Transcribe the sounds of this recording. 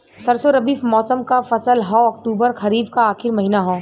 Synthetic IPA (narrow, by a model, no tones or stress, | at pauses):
sɐɾsoɾɐbiːfmɔːsəmkafɐsəlɦɔ̃ːɐk̚ʈuːbəɾxɐɾiːbkaaːxɪɾmɐɦiːnaɦɔ̃ː